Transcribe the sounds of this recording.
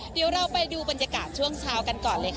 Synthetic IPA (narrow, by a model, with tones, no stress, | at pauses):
di˨˩˦wɾa˧wpa˧jduː˧ba˧nja˧kaː˨˩t̪̚t͡ɕʰu˥˩əŋt͡ɕʰaː˧wka˧nkɔː˨˩nlɤː˧j